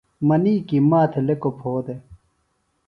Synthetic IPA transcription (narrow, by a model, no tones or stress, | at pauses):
mɐniːkimaːt̪ʰelekopʰoːd̪e